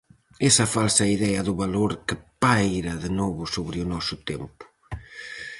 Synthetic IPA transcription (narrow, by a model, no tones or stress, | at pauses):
ɛsɐfalsɐiðɛɐðʊβaloɾkɪpajɾɐðenɔβʊsoβɾɪʊnɔsʊt̪ɛmpʊ̥